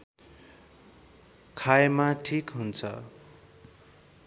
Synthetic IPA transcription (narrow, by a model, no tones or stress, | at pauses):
kʰajmaʈʰikɦunt͡sʰʌ̰